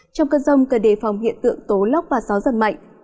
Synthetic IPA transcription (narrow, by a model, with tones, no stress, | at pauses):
t͡ɕɔ˧wŋ͡mkəː˧zə˧wŋ͡mkəː˨˧˩ɗe˨˩fa˨˩wŋ͡mhḭ˧˨ənt̪ɨ̰˧˨əŋt̪o˨˦lə˦˥wk͡p̚vaː˨˩sa˨˦wzə˨˧˩nma̰˧˨jŋ̟